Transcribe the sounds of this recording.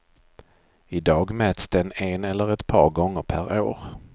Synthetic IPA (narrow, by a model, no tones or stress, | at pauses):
ɪd̪ɑːɡmɛːt̪sd̪ɛnɛnɛlːəɾɛt̪pʰɑ̰ːɾɡɔŋːəɾpʰæɾo̰ːɾ